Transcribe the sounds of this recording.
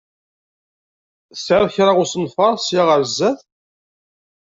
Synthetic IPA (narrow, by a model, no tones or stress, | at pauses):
sʕaðçɾaʁʊsənfɑɾˤsjaʁəɾzːæθ